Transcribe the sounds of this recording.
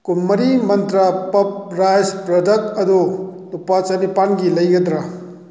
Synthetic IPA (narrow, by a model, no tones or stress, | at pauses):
kunmɐɾimɐnt̪ɾapɐp̚ɾajspɾɐdɐkɐd̪ulupat͡ʃɐnipanɡilɐjɡɐd̪ɾa